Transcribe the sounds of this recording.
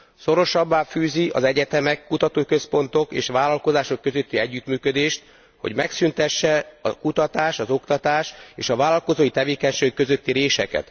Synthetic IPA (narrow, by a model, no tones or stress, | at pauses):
so̞ɾo̞ʃɒbːaːfyːziʔɒzɛɟɛt̪ɛmɛkːut̪ɒt̪oːkø̞spo̞nt̪o̞kḛːʃʋaːlɒlko̞zaːʃo̞kːøzø̞t̪ːiɛɟːyt̪myːkød̪eːʃt̪ | ho̞̰ɟmɛksynt̪ɛʃːɛɒkut̪ɒt̪aːʃɒzo̞kt̪ɒt̪aːʃeːʃɒvaːlɒlko̞zoːjit̪ɛveːkɛɲʃeːɡkːøzø̞t̪ːiɾeːʃɛkɛ̰t̪